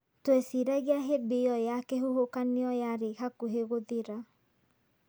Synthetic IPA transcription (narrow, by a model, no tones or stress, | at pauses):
twesiɾɛɣeaɦebeɔjakeɦuhokaneɔjaɾehakuɦeɣoðeɾa